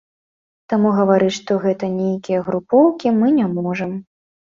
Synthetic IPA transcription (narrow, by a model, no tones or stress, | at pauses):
t̪amuɣɐvaɾɨt͡sʲʂt̪ɔɣɛt̪ɐnʲejkʲijɐɣɾupɔwkʲimɨnʲamɔʐɐm